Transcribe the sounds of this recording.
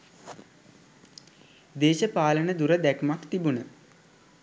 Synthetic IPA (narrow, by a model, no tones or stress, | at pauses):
d̪eːʃəpaːlənəd̪uɾəd̪ækmakt̪ibunə